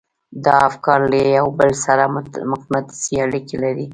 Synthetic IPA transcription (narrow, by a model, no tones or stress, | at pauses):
d̪ɑafkɑɾlajawbəlsaɾamʊqmat̪i̥siaɽikelaɾi